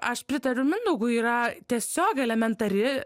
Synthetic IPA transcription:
ɐʃpʲɾʲɪt̪ɐɾʲʊmʲɪnd̪ɐʊɡuːiːɾɐt̪ʲiɛsʲoːkʲɛlʲɛmʲɛnt̪ɐɾʲɪ

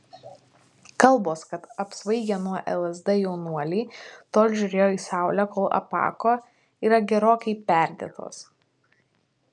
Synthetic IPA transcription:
kɐlˠboːskɐt̪ɐpsʋɐɪɡʲɛnuɔʔɛ̰lˠɛzd̪ɛjɛʊnuɔlʲiːt̪oːlʲʒʲʊɾʲeːjoːiːsɑˑʊlʲækoːlˠʔɐ̰pɑ̰ːkoː | iːɾɐɡʲɛɾoːkʲɛɪpʲæˑɾʲd̪ʲḛːt̪ʰo̰ːs

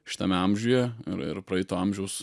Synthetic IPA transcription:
ʃʲɪ̥t̪ɐmʲɛɐmʲʒʲuːjɛɪ̰ɾɪ̰ɾpɾɐɛɪt̪oːɐmʲʒʲɛʊs

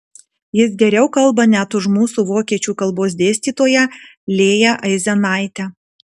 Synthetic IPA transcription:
jɪsɡʲɛɾʲɛʊkɐlˠbɐnʲæt̪ʊʃmuːsuːʋoːkʲiɛt͡ʃʲuːkɐlˠboːs̬d̪ʲeːsʲt̪ʲiːt̪oːjɛ | lʲeːjɛʔɐɪzʲɛnɑˑɪt̪ʲɛ

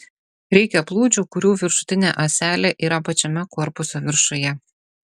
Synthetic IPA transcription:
ɾʲɛɪkʲɛplˠuːd͡ʒʲukʊɾʲuːʋʲɪɾʃʊ̥t̪ʲɪnʲeːʔɐsʲæːlʲeʔiːɾɐpɐt͡ʃʲɛmʲɛkɔɾpʊsoʋʲɪɾʃʊjɛ

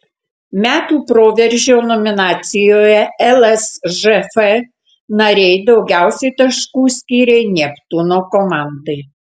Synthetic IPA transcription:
mʲæːt̪uːpɾoːʋʲɛɾʲʒʲoːnɔmʲɪnɑːt̪sʲɪjoːjɛɛlˠɛsʒɛfɛ | nɐɾʲɛɪd̪ɒʊɡʲæˑʊsʲɛɪt̪ɐʃkuːsʲkʲiːɾʲɛɪnʲɛpt̪ʊnoːkomɑˑnd̪ɐɪ

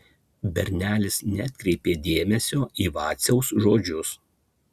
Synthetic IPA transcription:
bʲɛɾʲnʲæːlʲɪsnʲɛt̪ʲkɾʲɛɪpʲeːd̪ʲeːmʲɛsʲoːʔiːʋɑːt̪sʲɛʊsʒoːd͡ʒʲʊs

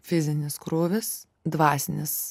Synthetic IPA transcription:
fʲɪzʲɪnʲɪskɾoːʋʲɪs | d̪ʋɑːsʲnʲɪs

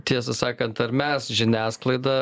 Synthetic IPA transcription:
t̪ʲiɛs̬ɐsɑːkɐnt̪ɐɾmʲɛsʒʲɪnʲæːsklˠɐɪd̪ɑ

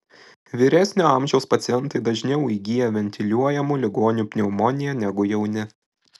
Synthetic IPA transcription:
ʋʲiɾʲæsʲnʲɪɑˑmʲʒʲɛʊspɐt̪sʲɪjɛnt̪ɐɪd̪ɐʒʲnʲɛʊiɡʲijɛʋʲɛnʲt̪ʲɪlʲuɔjɛmʊlʲɪɡoːnʲuːpʲnʲɛʊmɔːnʲɪjɛnʲɛɡʊjɛʊnʲɪ

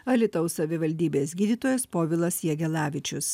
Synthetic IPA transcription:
ɐlʲɪt̪ɔʊsɐʋʲɪʋɐlʲd̪ʲiːbʲeːsɡʲiːd̪ʲiːt̪oːjɛspoːʋʲɪlˠɐsjɛɡʲɛlˠɑːʋʲɪt͡ʃʲʊs

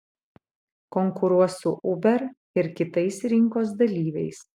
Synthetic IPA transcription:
kɔŋkʊɾuɔsʊʔʊbʲɛɾ | ɪɾkʲɪt̪ɐɪsɾʲɪŋkoːs̬d̪ɐlʲiːʋʲɛɪs

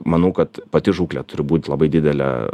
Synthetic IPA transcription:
mɐnɐʊkɐt̪pɐt̪ʲɪʒuːklʲɛt̪ʊɾʲɪbuːt̪ʲlˠɐbɐɪd̪ʲɪd̪ʲɛlʲɛ̰

